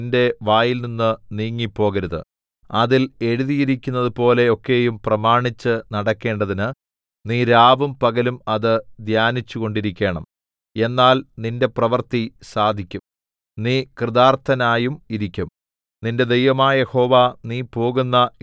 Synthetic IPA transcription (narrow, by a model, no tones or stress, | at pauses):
nde̞ʋaːjilninːɨniːŋːipːo̞ːɣɐɾuðɨ̰ | ɐðile̞ɻuðijiɾikʲːunːɐðɨpo̞ːle̞o̞kːe̞ːjumprɐmaːɳit͡ɕːɨnɐɽɐkːe̞ːɳɖɐðinɨ | niːɾaːʋumpɐɣɐlumɐðɨd̪ʱjaːnit͡ɕːuɣo̞ɳɖiɾikʲːe̞ːɳɐm | e̞nːaːlninde̞prɐʋɐrt̪isaːd̪ʱikʲːum | niːkrɨðaːrt̪ʰɐnaːjumiɾikʲːum | ninde̞d̪ejʋɐmaːɐje̞ho̞ːʋaːniːpo̞ːɣunːɐ